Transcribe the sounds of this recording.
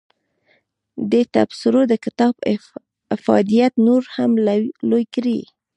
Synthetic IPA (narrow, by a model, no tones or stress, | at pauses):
d̪ət̪a̰bsɪɾod̪əkɪt̪ɑb | fɑ̰d̪ijat̪noɾhamlojkɾi